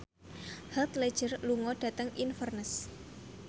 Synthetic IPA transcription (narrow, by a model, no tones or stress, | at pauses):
hat̪le̥ʒ̥ərluŋɔɖ̥ä̤t̪əŋinfərnəs